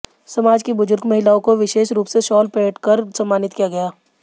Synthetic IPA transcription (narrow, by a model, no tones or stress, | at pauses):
sɐmaːd͡ʒkibʊzʊɾɡmɐɦɪlaːõkoʋɪʃeːʃɾuːpseʃɔːlpeːʈkɐɾsɐmːaːnɪt̪kijaɡɐjaː